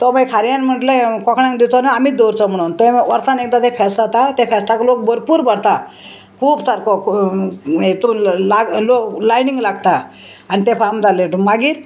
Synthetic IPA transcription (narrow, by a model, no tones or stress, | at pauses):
t̪ɔməjkʰaɾjanm̤əʈlẽkɔkʰɳãŋɡd̪iwt̪ɔnaamiːd̪oɾt͡sɔm̤əɽ̃uːnt̪eʋəɾt̪anekd̪at̪efʰɛsʈ̪at̪at̪efɛsʈaklok̚bəɾpuːɾbəɽt̪a | kʰuːbsaɾkɔk | et̪ũlaɡloklajniŋɡlaɡt̪a | anit̪ẽfamd͡zaleʈmaɡiːɾ